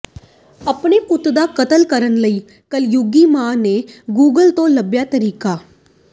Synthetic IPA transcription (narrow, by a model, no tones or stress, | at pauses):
əpɳeːkʊt̪d̪aːkət̪əlkəɾənləiː | kəljʊɡiːmãːneːɡuːɡəlt̪õːləbjaːt̪əɾiːkaː